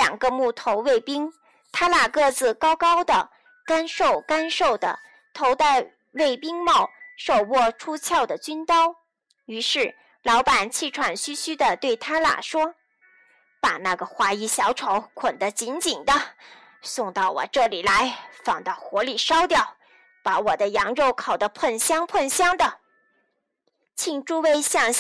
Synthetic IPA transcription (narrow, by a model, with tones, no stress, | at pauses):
ljɑ̰˨˩ŋɡə˦mu˥˩t̪ʰo˧˥ʊwe˥˩ɪpi˥ŋ | t̪ʰa˥la˨˩kɤ˥˩t͡sɹ̩˨˩kɑ˥ʊkɑ˥ʊd̪ə˨˩ | ka˥nʂo˥˩ʊka˥nʂo˥˩ʊd̪ə̰˩ | t̪ʰo˧˥ʊt̪a˥˧ɪ | we˥˩ɪpi˥ŋmɑ˥˩ʊʂo˥˧ʊwɔ˥˩ʈ͡ʂʰu˥t͡ɕʰjɑ˥˩ʊd̪ə˩t͡ɕy˥nt̪ɑ˥ʊ | y˧˥ʂɻ̩˥˩ | lɑ˧˥ʊpa˨˩nt͡ɕʰi˥˩ʈ͡ʂʰwa˨˩nɕy˥ɕy˥d̪ə˨t̪we˥˩ɪt̪ʰa˥la̰˨˩ʂwɔ˥ | pa˨˩na˥˩ɡə˩xwa˧˥i˧˥ɕjɑ˧˥ʊʈ͡ʂʰo˧˥ʊkʰwə˨˩nd̪ə˦t͡ɕi˧˥nt͡ɕi˨˩nd̪ə˦ | sʊ˥˧ŋt̪ɑ˥˩ʊwɔ̰˨˩ʈ͡ʂɤ˥˩li˨˩la˧˥ɪfɑ˨˩ŋt̪ɑ˥˩ʊxwɔ˧˥li˨˩ʂɑ˥ʊt̪jɑ˥˩ʊ | pa˧˥wɔ˨˩d̪ə˦jɑ˧˥ŋɻo˥˩ʊkʰɑ˨˩ʊd̪ə˦pʰə˥˩nɕjɑ˥ŋpʰə˥˩nɕjɑ˥ŋd̪ə˨ | t͡ɕʰi˥˩ŋʈ͡ʂu˥we˥ɪɕjɑ˥˧ŋ